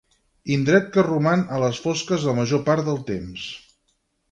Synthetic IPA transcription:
ind̪ɾɛt̪̚kərumanələsfɔskəzðəməʒopaɾt̪d̪əlˠt̪ems

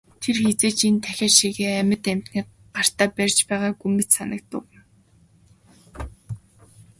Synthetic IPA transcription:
t̪ʰerxet͡seːt͡ɕent̪ʰæxʲaːʃiːɣeːæmʲə̆t̪æm̥t̪niː | ɢar̥t̪aːpærʲt͡ɕpæːʁaːɡumɘ̆t̪sanə̆k̚t̪ʊ

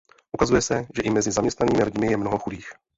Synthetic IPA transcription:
ʔukazujɛsɛʒɛʔɪmɛzɪzamɲɛst̪naniːmɪlɪɟmɪjɛmnoɦoxudiːx

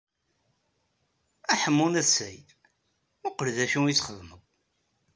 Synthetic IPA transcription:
æħəmːunæsæj | ʊqəlðæʃijit͡sːχəðməɡʷ

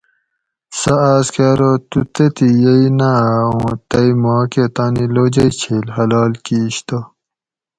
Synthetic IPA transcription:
sɐaːskaːɾot̪ut̪et̪ijɐinaõːt̪ɐimaːket̪aːniloːd͡ʑɐit͡ɕʰeːlhɐlaːlkiːɕt̪o

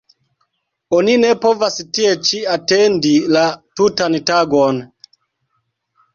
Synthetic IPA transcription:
oninepo̞vastiet͡ʃiatendilatutantaɡon

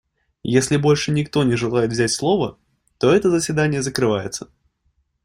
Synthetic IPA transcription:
jesʲlʲɪbɔlʲʂɨnʲɪkt̪ɔnʲɛʐɨlˠajɪt̪vzʲat͡sʲslˠɔvɐ | t̪ɔɛt̪əzəsʲvʲɪd̪anʲɪjəzəkɾɨvajɪt̪sə̥

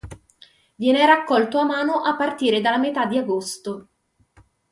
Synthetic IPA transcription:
vjɛːneɾakːɔlt̪oamaːnoʔapːart̪iːɾed̪alːamet̪ad̪ːiaɡost̪o

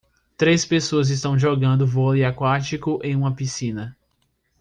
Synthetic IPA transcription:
t̪ɾespesoɐzɪs̬t̪ɐ̃w̃ʒɔɡɐ̃nd̪ʊvɔliakwat͡ʃikʊʔẽj̃ũmɐpisĩnɐ

